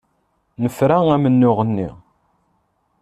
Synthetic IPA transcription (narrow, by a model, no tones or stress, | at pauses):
nəfɾaæmənːʊʁənːḭ